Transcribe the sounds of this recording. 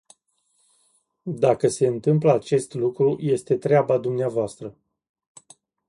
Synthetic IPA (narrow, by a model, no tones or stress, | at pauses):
d̪akəse̞ɨnt̪ɨmpləat͡ʃe̞st̪lukɾuje̞st̪e̞t̪ɾeabad̪umneavoast̪ɾə